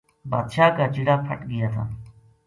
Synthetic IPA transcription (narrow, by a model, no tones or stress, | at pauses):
baːd̪ʃaːkaːt͡ʃɪɽaːpʰə̰ʈɡɪjaːt̪ʰa̰ː